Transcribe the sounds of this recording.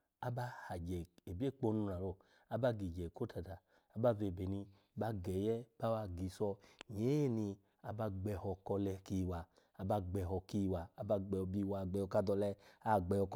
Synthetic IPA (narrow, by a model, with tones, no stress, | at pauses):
a˦ba˧ha˨d͡ʒɛ˨e˨bi˦e˦˨k͡po˧˦nũ˧ɾa˨ɾo˧˨ | a˦ba˧ɡi˨d͡ʒɛ˨ko˦ta˨ta˨ | a˦ba˧˦ve˧˨be˨ni˧˦ | ba˦ɡɛ˨jɛ˦b̥a˦wa˧ɡi˨˦sɔ˧ɲe˨˦e˦ni˧ | a˧ba˧ɡ͡bɛ˧hɔ˧kɔ˧lɛ˧ki˧˦˨wa˨ | a˧ba˧ɡ͡bɛ˨ɦɔ˧ki˦˨waː˨˦ba˧ɡ͡bɛ˧ɔ˧˨bi˧˨wa˨ɡ͡bɛ˨jɔ˧ka˧dɔ˧lɛ˧a˦˨ɡ͡bɛ˧˨ɔ˧k